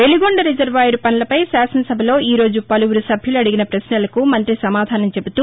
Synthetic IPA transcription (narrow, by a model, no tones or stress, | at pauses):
ʋe̞liɡoɳɖɐɾid͡ʒɐɾʋaːjuɾupɐnɐlɐpɐjsaːsɐnɐsɐbʱɐlo̞ːʔiːɾo̞ːd͡ʒupɐluwuɾusɐbʱjuluɐɽiɡinɐpɾɐsnɐlɐkumɐnt̪ɾisɐmaːd̪ʱaːnɐmt͡ʃe̞but̪uː